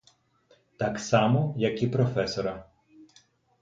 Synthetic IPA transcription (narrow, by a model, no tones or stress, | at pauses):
t̪ɑksɑmɔjɐkipɾɔfɛsɔɾɐ